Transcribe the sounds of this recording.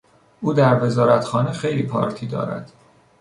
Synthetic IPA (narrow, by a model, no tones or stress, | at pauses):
ʔuːd̪æɾve̞zɒːɾæt̪xɒːnexejliːpʰɒ̰ːɾt̪ʰiːd̪ɒ̰ːɾæ̰d̪̥